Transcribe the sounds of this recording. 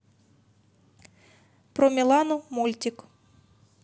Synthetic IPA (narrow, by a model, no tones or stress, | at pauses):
pɾɔmʲilˠanʊmulʲtʲik